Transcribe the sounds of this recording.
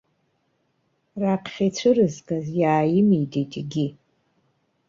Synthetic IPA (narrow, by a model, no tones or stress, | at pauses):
raqʰχʲit͡ɕʷʰɨrɨzkʼazjaːjɪmijtʼitʼɡʲi